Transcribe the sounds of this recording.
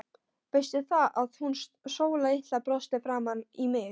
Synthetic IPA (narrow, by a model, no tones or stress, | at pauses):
vɪst̪ɪθaʔaðhun | soːwlaɪht̪lapɾɔst̪ɪfɾamanimɪ